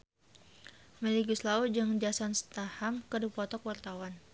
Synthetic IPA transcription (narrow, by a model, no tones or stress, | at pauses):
mɛliɡuslaud͡ʒɨŋd͡ʒasɔnst̪ahamkədupɔt̪ɔkwart̪awan